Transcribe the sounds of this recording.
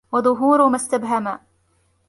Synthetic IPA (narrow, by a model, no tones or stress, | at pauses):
wɑðˤʊɦuːɾʊmast̪abɦama